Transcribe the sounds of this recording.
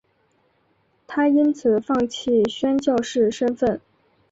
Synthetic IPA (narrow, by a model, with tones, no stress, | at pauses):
t̪ʰa˥i˥nt͡sʰɹ̩˨˩fɑ˥˧ŋt͡ɕʰi˥˩˧ɕɥɛ˥nt͡ɕjɑ˥˧ʊʂɻ̩˥˩ʂə˥nfə˥˩n